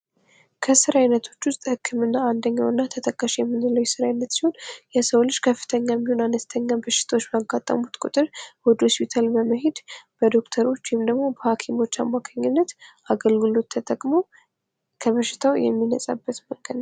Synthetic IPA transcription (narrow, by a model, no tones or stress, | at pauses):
kʰəsɨɾaɨnət̪ʰo̞t͡ʃːwʊst̪ʼhɨkʰːɨmɨnːaand̪əɲːawɨnːat̪ʰət̪ʰəkʼːaʃjɛmːɨnɨləwjɛsɨɾanːət̪siho̞njɛsəwlɨʃːkʰəfːɨ̥t̪ʰəɲːajɛmːiho̞nanəst̪ʰəɲːabəʃːɪ̥t̪ʰawot͡ʃːbəaɡat̪ʼːə̰mut̪kʷʼṵt̪ʼɨɾwɔd̪hospʰit̪ʰalbəməɦe̞d̪b̥əd̪o̞kt̪ʰəɾo̞t͡ʃːwimd̪əɡmo̞bəhakʰimo̞t͡ʃːamːakʰaɲːɪnːət̪ʔaɡəlɡɨlo̞t̪ʰːət̪ʼəkʼmo̞ | kʰəβəʃːɪ̥t̪ʰawjɛ̰mːinəsʼa̰bːət̪məŋɡə